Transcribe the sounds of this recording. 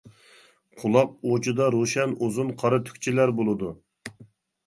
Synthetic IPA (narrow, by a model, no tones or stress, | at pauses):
qʰʊlˠɑq̚ot͡ʃʰud̪ɑɾoʃɛnuzunqʰɑɾɨt̪ʰy̥kʲt͡ʃʰilæɾbolˠɨd̪u